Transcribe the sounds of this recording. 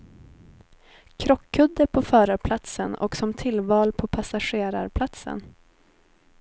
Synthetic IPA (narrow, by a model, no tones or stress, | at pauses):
kʰɾɔkʰːɵd̪ːəɾpʰɔfœːɾəpʰlat̪sənɔ̰ksɔmt̪ʰɪlvɑːlpʰɔpʰasaɧeːɾa̰ɾpʰlat̪sə̰n